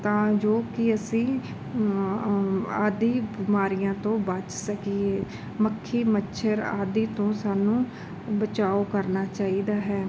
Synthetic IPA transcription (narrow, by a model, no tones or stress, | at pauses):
t̪ãːd͡ʒoːkɪəsĩː | aːd̪iːbɪmaːɾijãːt̪õːbət͡ʃsəkiːeː | məkʰːiːmətːʃʰəɾa̰ːd̪iːt̪õːsaːnũː | bət͡ʃaːoːkəɾnaːt͡ʃaːiːd̪aːɦɛː